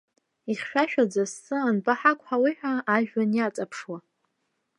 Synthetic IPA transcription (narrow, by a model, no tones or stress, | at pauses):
iχʲʃᶣaʃᶣad͡zasɨanbʼaħakʷʼħawiħʷᶣaːʒᶣwanjat͡sʼapʰʂwa